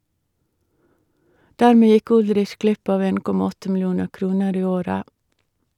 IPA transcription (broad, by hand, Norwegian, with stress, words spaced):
ˈdæɾˌmeː ˈjɪk ˈʊlɾɪç ˈɡlɪp ˈɑːʋ ˈeːn ˈkɔmɑ ˈɔtə ml̩ˈjuːnə ˈkɾuːnəɾ ˈiː ˈoːɾə